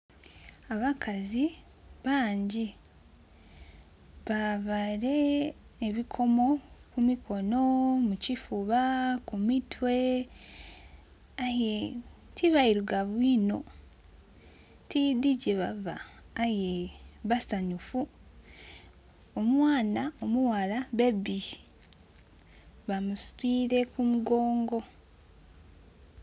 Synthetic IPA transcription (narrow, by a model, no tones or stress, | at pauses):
aβakʰazi | βaːɲɟi | βaβaɾe̞ | eβikʰo̞mo̞kumikʰo̞no̞mucifuβakumitwe̞ | aje | tiβaiɾuɡaβwino̞ | tidiɟeβava̰ːjeβasaɲufu | omwaːnaomuwalaβebi | βamusu̥twiːɾe̞kumuɡo̞ːŋɡo̞